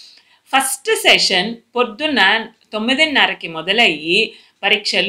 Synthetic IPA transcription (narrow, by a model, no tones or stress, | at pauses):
fɐsʈseːʂɐnpɔɾd̪unɐt̪ɔmːɪðɐnːaːɾɐkːɯmɔðɐlɐji | pɐɾɪkʂɐl